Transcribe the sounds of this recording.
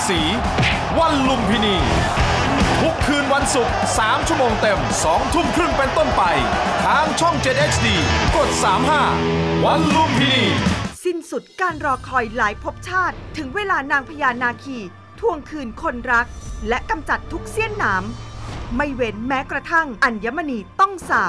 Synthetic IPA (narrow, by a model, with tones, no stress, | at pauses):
siː˩˦ | wa˧nlu˧mpʰiː˧niː˧ | t̪ʰu˦˥kʰːɯː˧nwa˧nsu˨˩k̚saː˩˦mt͡ɕʰu˥əmoː˧ŋt̪e˧msɔː˩˦ŋt̪ʰu˥˩mkʰɾɯ˥˩ŋpe˧nt̪o˥˩npa˧j | t̪ʰaː˦mt͡ɕʰɔ˥˩ŋt͡ɕe˨˩t̪̚ʔe˦˥t͡ɕʰdiː˧ko˨˩t̪̚saː˩˦mɦaː˥˩wa˧nlu˧mpʰiː˧niː˧si˥˩nsu˨˩t̪̚kaː˧nɾɔː˧kʰɔː˧jlaː˩˦jpʰo˦˥p̚t͡ɕʰaː˥˩t̪ʰːɯ˩˦ŋweː˧laː˧naː˧ŋpʰa˧jaː˧nːaː˧kʰiː˧ | t̪ʰu˧əŋkʰɯː˧nkʰo˧nɾa˦˥k̚lɛ˦˥ʔka˧mt͡ɕa˨˩t̪ʰːu˦˥k̚si˥˩ənːaː˩˦mma˥˩jwe˨˦nmɛː˦˥kɾa˧t̪ʰa˥˩ŋʔa˧nja˦˥ma˧niː˧t̪ɔ˥˩ŋsaː˨˩